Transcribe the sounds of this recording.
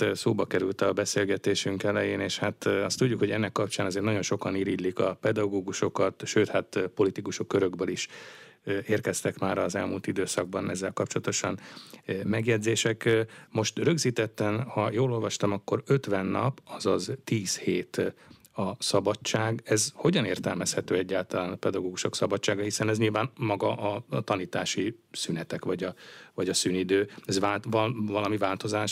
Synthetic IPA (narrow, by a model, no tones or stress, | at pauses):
soːbɒkɛɾylt̪ɒbɛseːlɡɛt̪eːʃyŋkɛlɛjeːneːʃhat̪ɒst̪uɟːukho̞ɟɛnːɛkːɒp̚t͡ʃaːnɒzeːrt̪nɒɟo̞nʃokɒniːɾiːlːikɒpɛd̪ɒɡoːɡuʃo̞kɒt̪ʃøːt̪hat̪po̞lit̪ikuʃokːøɾøɡbøliʃ | eːrkɛst̪ɛkmaːɾɒzɛlmult̪id̪øːsɒɡ̚bɒnɛzːɛlkɒp̚t͡ʃolɒt̪o̞ʃɒnmɛɡjɛd̪zeːʃɛkmo̞ʃt̪rø̞ɡziːt̪ɛt̪ːɛnhɒjoːlo̞lvɒʃt̪ɒmɒkːo̞ɾø̞t̪ʋɛnːɒ̰pɒzɒzt̪iːsheːt̪ | ɒsɒbɒt͡ʃːaːɡɛzho̞ɟɒneːrt̪ɛlmɛshɛt̪øːɛɟːaːlt̪ɒlaːnɒpɛd̪ɒɡoːɡuʃo̞ksɒbɒt͡ʃːaːɡɒhisɛnɛzɲilvaːnmɒɡɒʔɒt̪ɒniːt̪aːʃisynɛt̪ɛkʋɒɟɒvɒɟɒsyːnid̪øːɛzʋaːlvvɒlɒmivaːlt̪o̞zaːʃ